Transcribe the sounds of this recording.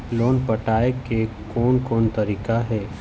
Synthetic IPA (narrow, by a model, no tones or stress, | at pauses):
loːnpɐʈaːeke | kɔːnkɔːnt̪ɐɾiːkaɦɛː